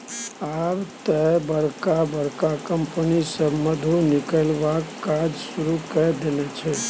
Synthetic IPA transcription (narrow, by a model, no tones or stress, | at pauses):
aʋt̪əbəɾkabəɾkakəmpənisəmːəd̪ʱũnɪkəlʋakad͡ʒsuɾukəd̪enet͡ʃʰe